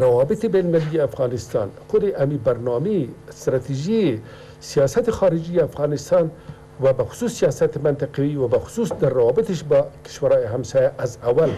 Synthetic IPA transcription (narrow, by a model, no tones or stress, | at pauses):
ɾawɑbɪt̪ibenmalijeafɣɑnɪst̪ɑ̰nxʊd̪eʔamibaɾnɑmest̪ɾat̪iʒi | sijɑsat̪ixɑːɾɪd͡ʒieafɣɑnɪst̪ɑn | wabaxʊ̥suːsːijɑsat̪emant̪aqawiwabaxʊ̥susd̪aɾːawɑbɪt̪eʃbakɪ̥ʃwaɾɑjiɦamsɑjaʔazawal